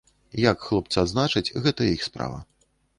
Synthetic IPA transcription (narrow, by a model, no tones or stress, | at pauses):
jakxlˠɔp̚t̪sad̪znat͡ʂɨt͡sʲɣɛt̪ɐixspɾa̰vɐ̰